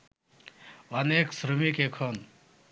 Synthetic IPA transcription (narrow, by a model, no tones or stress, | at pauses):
əneksɾumikekʰon